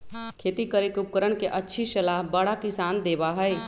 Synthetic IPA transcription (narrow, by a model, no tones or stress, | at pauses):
kʰeːt̪ikəɾekʊp̚kəɾəɳ̃keʔətːʃʰiʃəlaɦbəɽakɪsaːnd̪eːbaɦəj